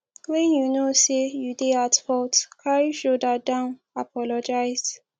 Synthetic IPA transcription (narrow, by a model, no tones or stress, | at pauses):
wɛ̃njunosejudeatfɔtkʰaɹiʃodadãʊn | apɔlɔd͡ʒaɪzd